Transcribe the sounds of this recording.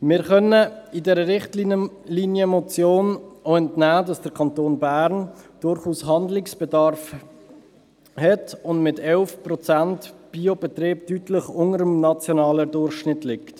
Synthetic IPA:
mɪːɾχœnəɪdɛːɾəɾɪχtl | linjəmot͡sjoːnoɛntnæːdɑsd̥əɾkʰɑntoːnbæːɾnd̥ʊɾχuːsɦɑndlɪksb̥ɛdɑɾf | hɛtʊndmɪtɛlfprɔt͡santb̥iob̥ɛtɾeːbtytlɪχʊŋəɾəmnɑt͡sjonɑːlədʊrχʃnɪtlɪkt

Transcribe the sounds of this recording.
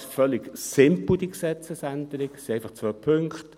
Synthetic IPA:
fœlːɪɡsɪmpl̩d̥̪iksɛt͡səsændəɾɪkseɪfɑχt͡svœpʰʏŋkt

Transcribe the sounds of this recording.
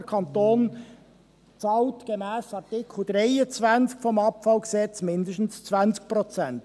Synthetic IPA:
əkʰɑnt̪oːn | t͡sɑːltɡ̥emɛːsɑtɪkʰl̩ˠd̥ɾɛɪət͡svænt͡skfɔmɑpfɑlɡsɛt͡smɪnd̪əʃtn̩st͡svænt͡sk̚pɾɔt͡sɛnt

